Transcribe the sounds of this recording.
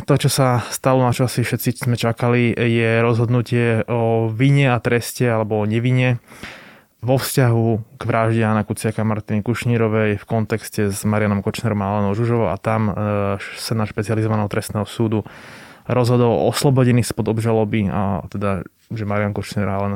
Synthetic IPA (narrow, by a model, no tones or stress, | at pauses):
t̪ɔt͡ʃɔsast̪alɔnat͡ʃɔasifʃɛt̪sizmɛt͡ʃakalijɛɾɔzɦɔd̪nucɪɛɔʋiɲɛat̪ɾɛscɛalɛbɔɔɲɛʋiɲɛ | ʋɔfscaɦuɡ̥ʋɾaʒɟɛanakut͡sɪakaamaɾt̪inɛkuʃɲiɾɔʋɛjfkɔnt̪ɛkscɛzmaɾɪjanɔmkɔt͡ʃnɛɾɔmalɛnɔʊʒuʒɔʋɔʊʔa̰t̪am | sɛnaʃpɛt͡sializɔʋanɛɦɔt̪ɾɛst̪nɛːɦɔsuːd̪uɾɔzɦɔd̪ɔlɔ̰ɔslɔbɔɟɛnispɔd̪ɔbʒalɔbia̰t̪ɛd̪a | ʒɛmaɾɪanmkɔt͡ʃnɛɾɔalɛn